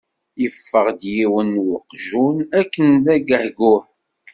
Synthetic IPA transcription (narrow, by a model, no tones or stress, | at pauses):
jəfːəʁd̪jiwənwəqʒunækːənðæɡəhɡʊħ